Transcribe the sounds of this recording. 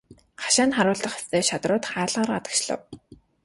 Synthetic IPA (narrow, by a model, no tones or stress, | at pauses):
χḁʃaːnχaɾʊːɮə̆χḁst̪ʰeːʃat̪rʊːt̪χaːɮʁaːɾat̪ə̥̆kt͡ɕɮə̰̆w